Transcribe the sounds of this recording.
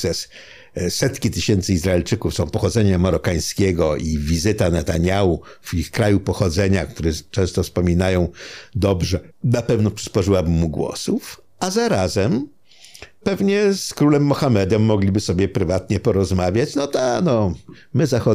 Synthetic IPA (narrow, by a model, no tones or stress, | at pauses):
ʂɛs | sɛt̪kʲit̪ɘɕɛnt̪sɘizɾaɛlt͡ʂɘkufsɔ̃w̃pɔxɔd̪zɛɲamaɾɔkaj̃skʲeɡɔʔivʲizɘt̪anat̪aɲauvixkɾajupɔxɔd̪zɛɲakt̪uɾɛt͡ʂɛ̃st̪ɔfspɔmʲinajɔ̃w̃d̪ɔbʐɛnapɛvnɔpʂɨ̥spɔʐɘwabɘmːuɡwɔ̰suf | azaɾazɛm | pɛvɲɛskɾulɛmːɔxamɛd̪ɛmːɔɡlʲibɘsɔbʲjɛpɾɘvat̪ɲɛpɔɾɔzmavʲjat͡ɕnɔt̪anɔ | mɘzaxɔ